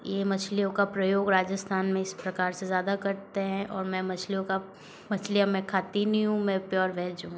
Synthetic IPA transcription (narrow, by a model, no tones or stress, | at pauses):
jemɐt͡ʃʰlijõkapɾɐjoːɡɾaːd͡ʒəst̪ʰaːnmẽɪspɾɐkaːɾsezjaːd̪akɐɾt̪eɦɛ̃ʔɔːɾmɛ̃mɐt͡ʃʰlijõka | mɐt͡ʃʰlijamɛ̃kʰaːt̪inĩɦũmɛ̃pjɔːɾʋɛːd͡ʒɦũ